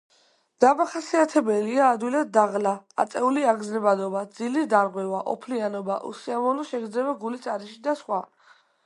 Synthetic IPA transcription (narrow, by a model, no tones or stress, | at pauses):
d̪̥amaχasiat̪ʰɛbɛliaːd̪wilad̪̚d̪aʁlaa̰t̪sʼɛuliaɡznɛbad̪ɔbad̪zilid̪aɾʁwɛvaʔɔ̰pʰlianɔbaʔṵsiamɔlɔʃɛɡɾd̪ɛbaɡulit̪sʼaɾiʃid̪asχwa